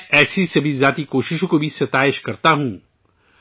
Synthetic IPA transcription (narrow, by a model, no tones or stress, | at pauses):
ɛːsisebʱizjaːt̪ikoːʃɪʃõkobʱisɐt̪aːɪʃkɐɾt̪aɦũː